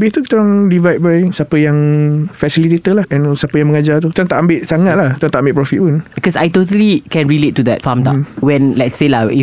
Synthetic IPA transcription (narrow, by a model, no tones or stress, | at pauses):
bet̪ukt̪ɔɾaŋdivajt̪̚bajsapəjaŋfɛsilit̪et̪əlahɛ̃nsapəjaŋməŋad͡ʒat̪ut̪ɾaŋt̪aʔambeʔ̪̚saŋat̪̚laht̪ɾaŋt̪aʔambetʔ̚pɾɔfit̪̚punbikɔsa̰jtot̬əlikɛ̃nɹiletːud̪ɛ̰t̚fãmt̪a̰wɛ̃nlɛtselai